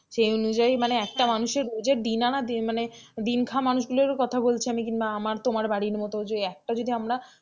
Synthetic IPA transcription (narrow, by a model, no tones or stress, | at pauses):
ʃejonud͡ʑajmaneɛk̚ʈamanuʃeɾod͡ʑeɾd̪inanad̪imaned̪inkʰamanuʃɡuloɾkɔt̪ʰabolt͡ɕʰiamikinbaamaɾt̪omaɾbaɽiɾmɔt̪od͡ʑeɛk̚ʈad͡ʑod̪iamɾa